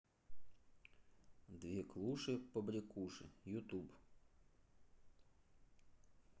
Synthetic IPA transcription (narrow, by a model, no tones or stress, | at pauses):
d̪ʋʲiklˠuʃɪpɔbɾʲikuʃɪjut̪ub